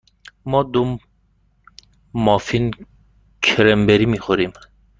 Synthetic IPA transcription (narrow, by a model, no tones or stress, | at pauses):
mɒːd̪om | mɒːfin | kʰɾembeɾiːmiːxoɾim